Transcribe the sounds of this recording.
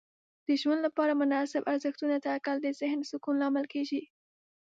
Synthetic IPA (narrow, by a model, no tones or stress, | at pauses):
d̪̥əʒwand̪lapɑɾamʊnɑsɪbaɾzəxt̪unat̪akald̪əzɪhnsʊkunlɑmɪlkeʒi